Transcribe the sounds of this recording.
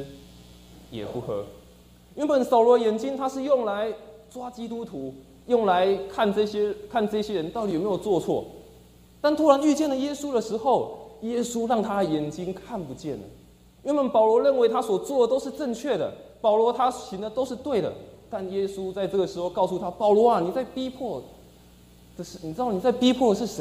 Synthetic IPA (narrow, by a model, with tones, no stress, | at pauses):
jɛ̰˨˩pu˥˩xɤ˧˥ | ɥɛ˧˥nbə˨˩nsɑ˨ʊlwɔ˧˦˧jɛ˨˧˥nt͡ɕi˥ŋt̪ʰa˥ʂɻ̩˥˧jo˥˩ŋla˧˦ɪt͡swa˥t͡ɕi˥t̪u˦t̪ʰu˨˧˥ | jo˥˩ŋla˧˦ɪkʰa˥˧nɤ˥˧ɕjɛ˥kʰa˥˧nʈ͡ʂɤ˥˧ɕjɛ˥ɻə˧˦nt̪ʊt̪i˨˩˨me˥jo˨˩ʊt͡swɔ˥˧t͡sʰwɔ̰˥˩ | t̪a˥˩nt̪ʰu˥ɻa˧˦ny˥˧t͡ɕjɛ˥˩nlə˨˩jɛ˥su˥d̪ə˨ʂɻ̩˧˥xo˥˩ʊjɛ˥su˥ɻɑ˥˩ŋt̪ʰa˥ə˨˩jɛ˨˩nt͡ɕi˥ŋkʰa˥˩npu˨˦t͡ɕjɛ˥˩nə̰˩ | ɥɛ˧˥nwə˨npɑ˨˩ʊlwɔ˧˥ɻə˥˩nwe˧˥ɪt̪ʰa˥swɔ˨˩t͡swɔ˥˩d̪ə˨˩t̪o˥ʊʂɻ̩˥˧ʈ͡ʂə˥˧ŋt͡ɕʰɥɛ˥˩d̪ə̰˩pɑ˨˩ʊlwɔ˧˥t̪ʰa˥ɕi˧˥nd̪ə˨t̪o˥ʊʂɻ̩˥˧t̪we˥˩ɪd̪ə̰˩t̪a˥˩njɛ˥su˥t͡sa˥˧ɪʈ͡ʂɤ˥˩ɡə˩ʂɻ̩˧˥xo˥˧ʊkɑ˥˧ʊsu˥˩t̪ʰa˥pɑ˨˩ʊlwɔ˧˥a˨ni˨˩t͡sa˥˩ɪpi˥pʰwɔ˥˩ | d̪̥ə˨ʂɻ̩˥˩ni˨˩ʈ͡ʂɻ̩˥d̪ɑ˥˩ni˨˩t͡sa˥˩ɪpi˥pʰwɔ˥˩ə˨˩ʂ̬ɻ̩˥˩ʂe˧˦